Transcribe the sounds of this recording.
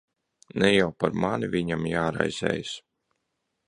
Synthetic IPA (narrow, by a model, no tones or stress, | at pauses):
nɛjawpaɾmanivʲiɲamjaːɾa̰jz̥ʲɛ̰ːjs